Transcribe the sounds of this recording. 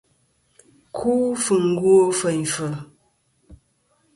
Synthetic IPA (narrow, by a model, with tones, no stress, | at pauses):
kʰuː˦fɨ˨ŋ̩˦ɡwo˦fə˨n˨fə˨